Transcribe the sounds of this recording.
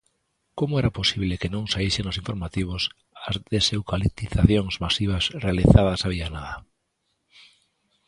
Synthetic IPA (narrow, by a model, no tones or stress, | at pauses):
komʊɛɾaposiβ̞lekenõŋsaiʃeŋʊsĩɱfoɾmat̪iβ̞ʊs | azðesewkalit̪iθaθjoŋzmasiβ̞ɐsrealiθaðɐsaβianaðɐ